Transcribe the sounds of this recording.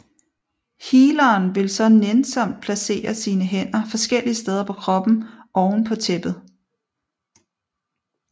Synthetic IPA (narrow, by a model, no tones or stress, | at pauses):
hiːlɐːnʋe̝lsɒ̽nensɒ̽m̰d̥̚pʰlæse̝̰ːɐsiːnəɦen̰ɐfɒ̽sɡ̥el̰iəsd̥eːð̞ˠɐpʰɒ̽kʰʁɒ̽b̥n̩ʔɒʊn̩pʰɒ̽t͡sʰeb̥ð̩ˠ